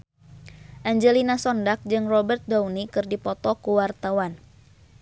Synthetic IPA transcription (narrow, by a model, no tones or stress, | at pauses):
ʔaɲd͡ʒɛlinasɔndak̚d͡ʒɨŋrɔbərt̪̚dawnikɨrdipɔt̪ɔkuwart̪awan